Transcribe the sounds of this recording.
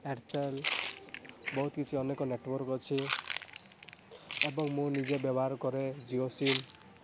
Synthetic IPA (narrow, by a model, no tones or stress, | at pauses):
eɾtel | bɔɦut̪kit͡ʃʰiɔnekɔneʈwɔɾkɔt͡ʃʰi | ebɔŋmũnid͡ʒebjɔbɔɦaɾkɔɾed͡ʒiosin